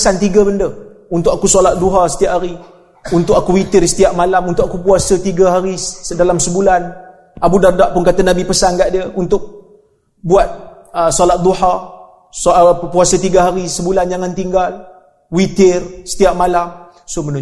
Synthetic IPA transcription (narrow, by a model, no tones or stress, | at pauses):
sant̪iɡabəndə | unt̪ʊk̚akusolat̪̚duɦasə̥t̪iaʔɦaɾi | unt̪ʊk̚akuwit̪ɪrsə̥t̪iaʔmalamunt̪ʊk̚akupuasət̪iɡaɦaɾidalamsəbulan | abudardaʔpʊnkat̪anabipəsankaʔdiəunt̪ʊk̚ | buat̪̚ | əsolat̪̚d̪uha | spuasət̪iɡaɦaɾisəbuland͡ʒaŋant̪iŋɡal | wit̪ɪrsə̥t̪iaʔmalam | sʊmənu